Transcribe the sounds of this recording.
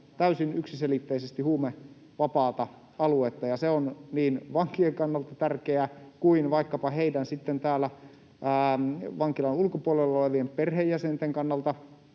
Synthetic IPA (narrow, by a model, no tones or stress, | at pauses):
t̪æysinyksiselit̪ːeisest̪ihuːme | ʋɑpɑːt̪ɑ | ɑluet̪ːɑjɑseonniːnʋɑŋkieŋkɑnːɑlt̪ɑt̪ærkeækuinʋɑikːɑpɑheidænsit̪ːent̪æːlːæ | æːʋɑŋkilɑnulkopuolelːoleʋiempperhejːæsent̪eŋkɑnːɑlt̪ɑ